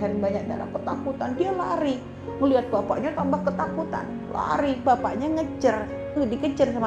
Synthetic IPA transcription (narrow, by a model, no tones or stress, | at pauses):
ɦanbaɲak̚da̰la̰mkət̪akut̪andialaɾi | ŋəliɦat̪̚bapa̰ʔɲat̪ambahkət̪akut̪a̰n | la̰ɾibapaʔɲaŋəd͡ʒər | ɡadikəd͡ʒərsam